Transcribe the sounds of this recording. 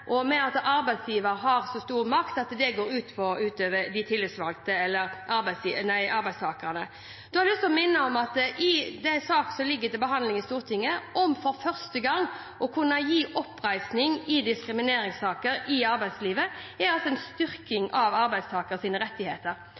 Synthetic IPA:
ʔɔmɛɑt̪ɑɾbæɪd̪sjiːʋəɾɦɑɾsɔst̪uːɾmɑkt̪ɑt̪d̪ɛɡoːɾʉːt̪pʰɔʉːt̪øːʋəɾd̪ɪt̪ʰɪlːɪt̪sʋɑlt̪əɛlːəɾʔɑɾbæɪsinæɪʔɑɾbæɪst̪ʰɑːkənə | d̪̥ɔhɑɾɛɔsɔɔmɪnːəɔmɑt̪ʔɪd̪æɪsɑːksɔlɪɡːət̪ɪlbəɦɑnlɪŋɪst̪uːʁt̪ʰɪŋːəʔɔmfɔɾfœʁst̪əɡɑŋː | ʔɔkʰʉnːəjiːʔɔpːɾæɪsnɪŋɪd̪ɪskɾɪmɪneːɾɪŋst̪ʰɑːkəɾɪɑɾbæɪd̪sliːʋəɛɾɑlsɔɛnst̪ʏɾkɪŋʔɑʋɑɾbæɪd̪st̪ʰɑːkəɾsiːnəɾɛt̪ːɪhḛːt̪əɾ

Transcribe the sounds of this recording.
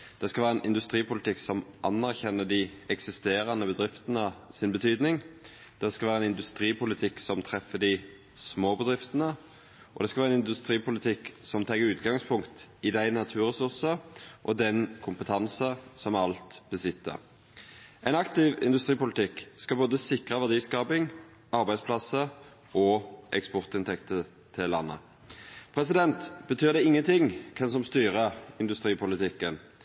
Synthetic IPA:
d̪̥ɛskɑʋæːʁəɛnʔɪnd̪ʉst̪ɾiːpʊlɪt̪ʰɪksɔmʔɑnːæʁçɛnːəd̪ɪɛksɪst̪eːɾɑnəbəd̪ɾɪft̪ənəsɪnbət̪ʰyːd̪nɪŋ | d̪̥ɛskɑʋæːɾəɛnɪnd̪ʉst̪ɾiːpʰʊlɪt̪ʰɪksɔmt̪ʰɾɛfːəd̪ɪ | smoːbəd̪ɾɪft̪ənə | ʔɔd̪ɛskɑlʋæːʁɛnɪnd̪ʉst̪ɾiːpʊlɪt̪ʰɪksɔmt̪ʰɑɡəɾʉːt̪ɡɑŋspʰʊŋkt̪ɪd̪æɪnɑt̪ʰʉːɾɛsʉʁsəʔɔd̪ɛnkʰʊmpət̪ʰɑnsəsɔmɑlt̪bəsɪt̪ːə̰ | æɪnɑkt̪ɪʋɪ̰nd̪ʉst̪ʁiːpʊlɪt̪ʰɪkskɑboːd̪əsɪkʁəʋæʁd̪iːskɑːpɪŋ | ɑɾbæɪspʰlɑsə | ɔʔɛkspɔʁt̪ɪnt̪ʰɛkt̪ə | t̪ʰɪlːɑ̰nːə̰ | pʰɾɛsɪd̪ɛnt̪b̥ət̪ʰyːʁd̪ɛɪŋːənt̪ɪŋkʰɛnsɔmst̪yːʁəɪnd̪ʉst̪ɾiːpʊlɪt̪ɪkːən

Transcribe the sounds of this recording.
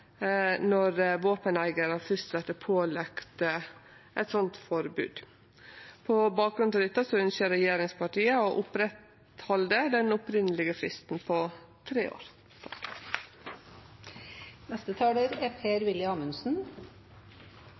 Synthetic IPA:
nɔɾʋoːpənæɪɡəɾɑfœst̪sɛt̪ːəpʰoːlɛkt̪ | ʔɛt̪sɔnt̪fɔɾbʉ̰ːd̪̥ | pʰɔbɑːk̚ɡɾʉnd̪ɑɾʏːt̪ɑsɔʉnʃəɾɛjeːɾɪŋspʰɑʈiːəɔʔʊpɾɛt̪ | hɔld̪əd̪ɛnʊpɾɪnəlɪɡəfɾɪst̪n̩pʰɔ | t̪ʰɾeːo̰ːɾ | t̪ʰɑ | nɛst̪ət̪ʰɑːɖ̪əɾeːpʰeːɾʋɪljəɑːmʉnsn̩

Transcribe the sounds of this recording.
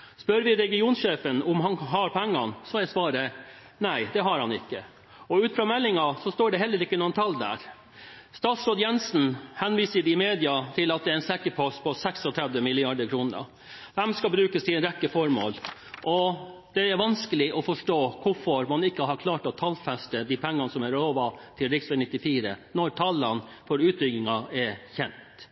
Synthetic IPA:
spœɾʋɪɾɛɡɪuːnsʃeːfənʊmɦɑnɦɑɾpʰɛŋːɑnsɔɛsʋɑːɾə | næɪd̪ɛɦɑɾhɑnɪkːə | ɔʉːt̪fɾɑːmɛlːɪŋɑsɔst̪oːɖɛhɛlːəɾɪkːənuənt̪ʰɑlːd̪æ̰ɾ | st̪ɑːt̪sɾoːd̪jɛnsn̩hɛnʋiːsəd̪ɪmeːd̪ɪɑt̪ʰɪlɑt̪̚d̪ɛæɾæɪnsɛkːəpʰɔst̪̚pʰɔsɛksɔt̪ʰɾɛd̪ʋəmɪlːɪɑɖ̪əɾkʰɾuːnəɾɑ̰ | d̪ɛmskɑbɾʉːkəst̪ʰɪɾɛkːəfɔɾmo̰ːlʔɔ | d̪̥ɛæɾʋɑnskəlɪʔɔfɔʂʈoːkʰʊfɔɾmɑnɪkːəɦɑɾkʰlɑːʈɔt̪ʰɑlfɛst̪əd̪ipʰɛŋːɑnəsɔmæɾɾoːʋɑt̪ʰɪlɾɪksɛnɪt̪ːɪfiːɾə̰nɔɾʈʰɑlːɑn | fɔɾʉːt̪ɾʏɡɪŋɑɛçɛnt̪

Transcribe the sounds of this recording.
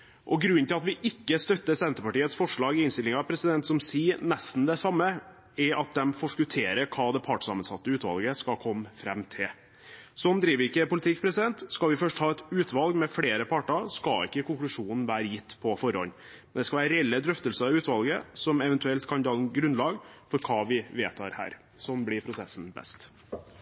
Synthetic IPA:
ʔɔɡɾʉnːt̪ɪlɑt̪ʋɪʔɪkːəst̪œt̪ːəsɛnt̪əpɑʈiːət̪sfɔʂɭɑːɡɪɪnst̪ɪlɪŋɑpʰɾɛsɪd̪ɛnt̪sɔmsiːnɛst̪n̩d̪ɛsɑmːə | ɛɾɑt̪̚d̪ɛmfɔʂkʉt̪ʰeːɾəkʰɑːd̪ɛpʰɑʈsɑ̰mənsɑ̰t̪ːəʉːt̪ʋɑ̰lɡəskɑkʰɔmːfɾɛmt̪ʰɪl | sɔmd̪ɾiːʋɪkːəpʊlɪt̪ʰɪkːpʰɾɛsɪd̪ɛnt̪skɑʋɪfœʂʈhɑːɛt̪ʉːt̪ʰʋɑlɡmɛfɽeːɾəpʰɑʈɑskɑɪ̰kːəkʰʊŋklʉʂuːnn̩ʋæːɾəjɪt̪ːpʰɔfɔɾɔ̰n | mnd̪ɛskɑʋæːɾəɾɛɛlːəd̪ɾœft̪əlsəɾʉːt̪ʋɑlɡəsɔmɛʋɛnt̪ʉɛlt̪kʰɑnd̪ɑln̩ɡɾʉnlɑːɡfɔɾkʰɑːʋɪʋeːt̪ʰɑ̰ːɾhæ̰ːɾ | sɔnblɪɾpʰɾʊsɛsn̩bɛ̰st̪

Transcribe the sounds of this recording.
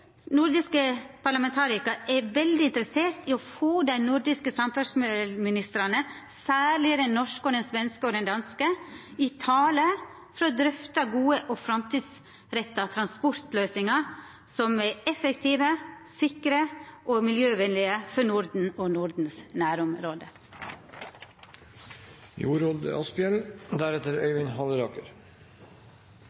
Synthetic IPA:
nʊɾd̪ɪskəpʰɑɾɭɑmɛnt̪ʰɑːɾɪkɑʔɛʋɛld̪ɪɪnt̪ɾəseːɾt̪iɔfoːd̪æɪnʊɾd̪ɪskəsɑmfœsmmɪnɪst̪ɾɑnə | sæːlɪəd̪ɛnːɔʂkɔd̪ɛnsʋɛnskəɔd̪ɛnd̪ɑnskəɪt̪ʰɑːlə | fɔɾɔd̪ɾʏft̪ɑɡuːəʔɔfɾɑmt̪ʰiːd̪s | ɾɛt̪ːɑt̪ʰɾɑnspʊɾt̪løːsɪŋɑ | sɔmeɛfəkt̪ʰiːʋəsɪkɾəʔoːmɪljøːʋɛnlɪəfɔɳʊɾd̪n̩oːnʊɾd̪n̩snæːɾʊmɾoːd̪ə | jṵːɾoːd̪̰ɑ̰spɪjɛld̪æɾɛt̪əɾœ̰ʏʋɪnhɑləɾɑːkəɾ

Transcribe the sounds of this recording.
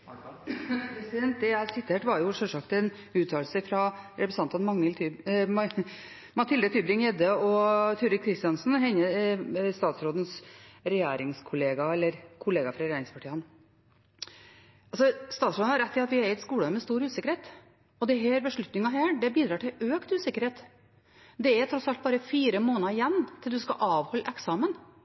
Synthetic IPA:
pɛsɪd̪ɛnt̪̚d̪ɛæsɪt̪ʰeːʈʋɑɾjʊʂœlʂɑkt̪ɛn | ʉːt̪ʰːɑːlsəfɾɑɾɛpɾəsɑnt̪ɑnmɑŋːəlt̪ʰy | mɑt̪ʰɪld̪ət̪ʰyːbɾɪŋjɛd̪əɔt̪ʰʉːɾɪkʰːɾɪst̪ɪɑnsn̩ɦɛnːəst̪ɑːt̪sɾoːd̪ən̩sɾɛjæːɾɪŋskʰʊleːɡɑɛlːəɾkʰʊleːɡɑfɾɑɾɛjæːɾɪŋspʰɑʈʰiːɑn | ɑlsɔst̪ɑːt̪sɾoːd̪n̩hɑɾɛt̪ːɪɑt̪ʋɪæɾɪt̪skuːɽəmɛst̪uːɾʉːsɪkəɾheːt̪ | ɔd̪ɛɦæːɾbəʂɭʉt̪nɪŋɑɦæːɖɛbiːd̪ɾɑːʈɪløːkt̪ʉːsɪkəɾheːt̪ | d̪ɛæt̪ʰɾɔtsɑlt̪̚bɑːɾəfiːɾəmoːnɑɪjɛnːt̪ʰɪld̪ʉskɑ̰ʔɑːʋhɔlːʔɛksɑːmən

